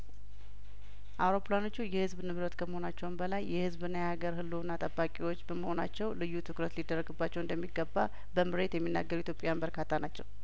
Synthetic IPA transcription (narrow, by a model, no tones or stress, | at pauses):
ʔawɾo̞pʰlano̞t͡ʃːujɛhɨzbnɨβɾət̪kʰəməho̞nat͡ʃːɛwnbəlajːɛhɨzbɨnːajaɡəɾhɨlːunːat̪ʼəbːakʼewo̞t͡ʃːbəməho̞nat͡ʃːɛwlɨjːut̪ʰɨkɾət̪lid̪ərːəɡɨbːat͡ʃːɛwɨnd̪əmːiɡːəbːa | bəmɨɾe̞t̪jɛmːinːa̰ɡːəɾuit̪ʰjo̞pʼejanbəɾkʰat̪ʰːanat͡ʃːɛw